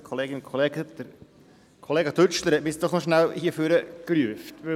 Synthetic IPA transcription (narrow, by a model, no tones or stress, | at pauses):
kʰoleːɡɪnkʰoleːɡəd̥̪əɾ | kʰoleːɡɑt̪ʰʏt͡ʃləɾhɛtmɪsd̥̪ɔχnɔʃnælhiəføɾəklyəftʋɪ